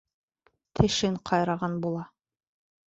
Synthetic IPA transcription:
t̪ʰɘ̆ʃɘŋqʰɑjɾɑʁɑnbulˠɑ

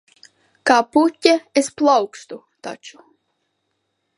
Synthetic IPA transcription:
kaːput̪ʲːɛesplˠawkst̪u | t̪a̰t͡ʃu̥

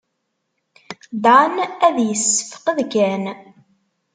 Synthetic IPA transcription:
d̪ʕanæðjəsːə̥fə̥qəðkæn

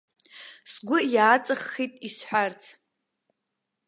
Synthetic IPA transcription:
sɡʷʊjaːt͡sʼaχːitʼisħʷart͡sʰ

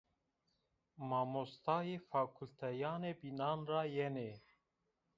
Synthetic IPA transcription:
mɑːmost̪ɑːjeːfaːkʰult̪ʰɛjɑːneːbinɑːnrɑːjɛneː

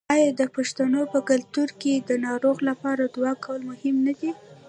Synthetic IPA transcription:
ɑjɑd̪əpaʃt̪anopəkalt̪uɾked̪ənɑɾoɣlapɑɾad̪wɑkawlmʊhɪmnad̪i

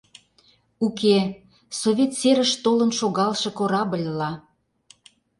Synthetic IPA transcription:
uke | soβʲet̪seɾəʃt̪olə̆nʃoɣɑlʃɤ̆koɾɑbə̆lʲlɑ

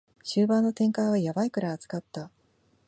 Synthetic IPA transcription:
ɕɨːbãnːo̞t̪ẽ̞ŋkaiβajabaikɯ̟ɾaːt͡sɨ̥kat̪ːa

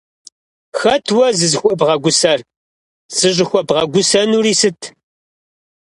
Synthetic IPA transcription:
xɐtʰwɐzɨzxʷɔbʁɐɡʷʊsɐr | z̥ɨʑʷɪxʷɔbʁɐɡʷʊsɐnuːɾiːsɨtʰ

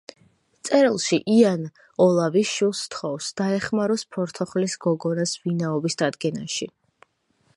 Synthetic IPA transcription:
t̪sʼɛɾilˠʃiʔian | ɔlˠaviʃwilˠst̪ʰχɔfsd̪̥aɛχmaɾɔspʰɔɾt̪ʰɔχlisɡ̥ɔɡɔnasvinaɔbisd̪̥ad̪ɡɛnaʃi

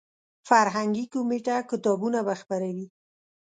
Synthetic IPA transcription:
faɾɦaŋɡikumeʈakɪt̪ɑbunabaxpaɾawi

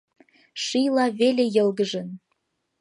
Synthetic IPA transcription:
ʃijlɑβelejɤ̆lɣəʒə̆n

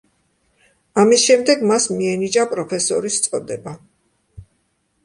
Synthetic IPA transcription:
amisʃɛmd̪ɛɡmasmiɛnid͡ʒʼapʼɾɔpʰɛsɔɾist̪sʼɔd̪ɛba

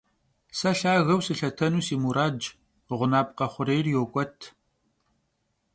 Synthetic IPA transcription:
sɐɬaːɣɐwsɨɬɐtʰɐnuːsiːmuɾaːd͡ʒ | ʁʷʊnaːpʼqɐχʷʊɾejrjoːkʷʼɔtʰ

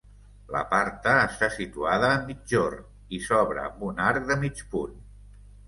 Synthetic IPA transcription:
lə̰paɾt̪əːst̪asit̪uaðəːmːid͡ʒor | isɔβɾə̰ə̰mbunaɾk̚d̪əmit͡ʃpun

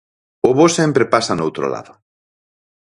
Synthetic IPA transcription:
ʊβosempɾepasanowt̪ɾo̰la̰ðʊ

